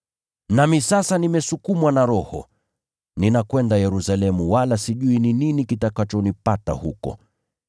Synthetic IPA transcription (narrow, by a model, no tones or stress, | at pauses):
namisasanimɛsukumwanaɾɔhɔ̰ | ninakwɛndajɛɾusalɛmuwalasiʄuinininikitakat͡ʃɔnipata̰hukɔ̰